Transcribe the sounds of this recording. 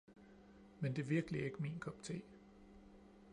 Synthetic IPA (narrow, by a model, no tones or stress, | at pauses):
mend̥e̝ʋiɐɡ̥əlie̝ɡ̥əmḭːnkʰɒ̽bi̥t͡sʰe̝̰ː